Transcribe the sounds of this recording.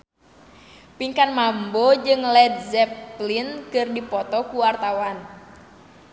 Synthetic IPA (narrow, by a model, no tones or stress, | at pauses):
piŋkanmambɔd͡ʒɨŋlɛd̪̚zɛplinkɨrdipɔt̪ɔkuwart̪awan